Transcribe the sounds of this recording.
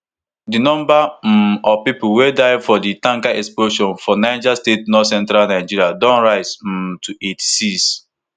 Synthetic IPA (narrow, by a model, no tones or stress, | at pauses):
dinɔ̃mbam̩ɔpipuwedaɪfɔditãŋkaʔɛksploʃɔ̃nfɔnaɪd͡ʒastetnɔsɛ̃ntɾalnaɪd͡ʒiɾiadɔ̃nɹaɪsm̩mtʰuetsis